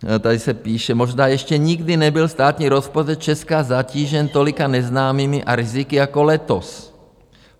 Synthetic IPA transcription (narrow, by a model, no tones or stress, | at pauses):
t̪ɛd̪isɛpiːʃɛmɔʒnaːɛʃcɛɲiɡd̪inɛbilst̪aːt̪ɲiːɾɔspɔt͡ʃɛt̪̚t͡ʃɛskaːzaciːʒɛnt̪ɔlikaɲɛznaːmimiʔaɾizikiakɔlɛt̪ɔs